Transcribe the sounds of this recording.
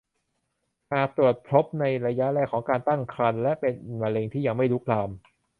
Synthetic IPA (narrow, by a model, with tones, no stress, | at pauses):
haː˨˩t̪u˨˩ət̪̚pʰɾo˦˥p̚na˧jɾa˧ja˦˥ʔɾɛː˧˥˩kʰːɔː˩˦ŋkaː˧nt̪a˥˩ŋkʰɾa˧nlɛ˦˥ʔpe˧nma˧leː˧ŋt̪ʰiː˥˩ja˨˧˩ŋma˥˩jlu˦˥k̚laː˧m